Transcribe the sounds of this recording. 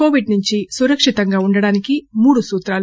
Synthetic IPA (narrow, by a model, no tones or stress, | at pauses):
oːʋiɖnuɲt͡ʃisuɾɐkʂit̪ɐŋɡaːuɳɖɐɽaːnikimuːɽusuːt̪ɾaːl